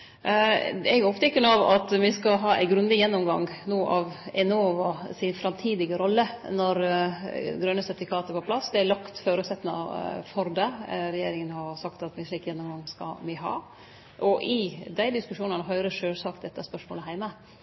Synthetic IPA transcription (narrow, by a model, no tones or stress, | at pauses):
ɛɡɔpt̪ɛkːənɑʋɑt̪mɪskɑɦɑːʔæ̰ɪɡɾʉnd̪ɪjɛnːɔmɡɑ̰ŋnoːʔɑʋɛnoːʋɑsɪnfɾɑmt̪ʰiːd̪ɪɡəɾɔlːənɔɾ | ɡɾœnːəsɛfɪkʰɑːt̪əpɔpʰlɑsd̪ɛælɑkt̪føːɾʉːt̪sɛt̪ːnɑ̰fɔɾd̪ɛɾɛjeːɾɪŋənhɑɾsɑkt̪ɑt̪mɪʂɭiːkjɛnːɔmɡɑŋskɑ̰mɪɦɑ̰ː | ʔɔʔɪd̪æɪd̪ɪskʉʂuːnɑnəɦœʏɾəʂøːsɑk̚t̪d̪ɛt̪ːəæspœʂmo̰ːləɦæɪmə